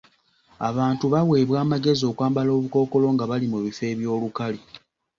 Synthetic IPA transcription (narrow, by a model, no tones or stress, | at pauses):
a̰βaːntuβawe̞ːβwaːmaɡe̞zio̞ːkwaːmbalo̞ːβuko̞ːko̞lo̞ːŋɡaβalimuβife̞ːβjo̞ːlukali